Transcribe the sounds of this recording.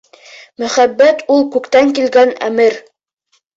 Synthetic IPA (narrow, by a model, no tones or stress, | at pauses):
mɵ̆χæbːæt̪ulˠkʉkt̪æŋkilɡænæ̰mɘɾ